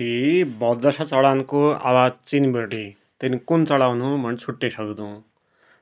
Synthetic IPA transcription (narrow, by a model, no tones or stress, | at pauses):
ibʌd̪d̪ʌsat͡sʌɽankoa̰wad͡zt͡sinbeʈi | t̪enikunt͡sʌɽawnumʱʌnt͡sʰuʈːesʌkd̪ũ